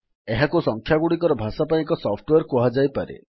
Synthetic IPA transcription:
eɦakusɔŋkʰjaɡuɽikɔɾɔbʱasapajikɔsɔpʰʈweɾkɔɦad͡ʒajpaɾḛ

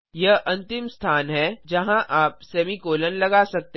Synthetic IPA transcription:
jɐɦʔɐ̃nt̪ɪmst̪ʰaːnɦɛd͡ʒɐɦãʔaːpsɛːmikoːlənlɐɡasɐk̚t̪e

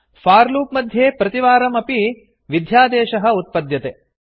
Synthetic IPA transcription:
faːɾluːpmɐd̪ʱjeːpɾɐt̪iʋaːɾɐmɐpi | ʋid̪ʱjaːd̪ɛːʃɐɦɐ̆ut̪̚pɐd̪jɐt̪e

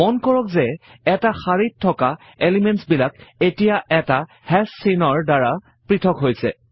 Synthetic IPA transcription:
mɔnkɔɹɔkzɛ | ɛtaxaɹitʰːɔka | elimɛntsbilak̚etijaʔɛta | hɛssinɔɹdaɹa | pɹitʰɔkɦojsɛ̰

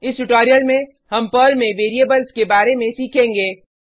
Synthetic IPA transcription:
ɪsʈʊʈɔːɾijəlmẽ | hɐmpəːlmẽʋeːɾiebəlskebaːɾemẽsiːkʰẽːŋɡeː

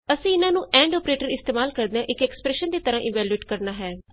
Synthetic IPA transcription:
əsĩːɪnãːnũːʔɛ̃ːɳɖɔːpɾeːʈəɾɪst̪eːmaːlkəɾd̪eãːʔɪkɛːkspɾɛːʃənd̪eːt̪əɾãːʔɪ̃nʋɛːlueːʈkəɾnaːɦɛː

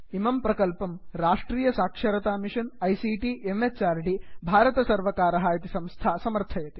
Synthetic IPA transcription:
imɐmpɾɐkɐlpɐmɾaːʂʈɾiːjɐsaːkʂɐɾɐt̪aːmiʃɐnɐjsiːʈiːʔemet͡ʃaːɾɖibʱaːɾɐt̪ɐsɐɾʋɐkaːɾɐɦaːjɐt̪isɐ̃mst̪ʰaːsɐmɐɾt̪ʰɐjɐt̪i̥

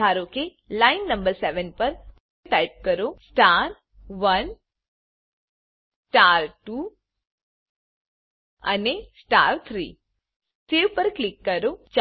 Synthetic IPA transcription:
aɾoke | lainːəmbəɾseʋənpəɾ | ʈajp̚kəɾosʈaɾ | ʋən | ssʈaɾʈu | ə̰nesʈaɾt̪ʰɾḭ | teʋpəɾklikːəɾod͡ʒ

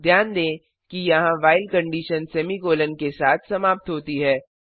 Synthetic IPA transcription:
d̪ʱjaːnd̪ẽː | kijɐɦãʋaːɪlkɐ̃ɳɖiːʃənsɛːmikoːlənkesaːt̪ʰsɐmaːp̚t̪ɦoːt̪iɦɛː

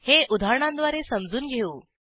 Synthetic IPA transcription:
heud̪ʱaɾɳãnd̪ʋaɾesəmd͡zuːnɡʱeuː

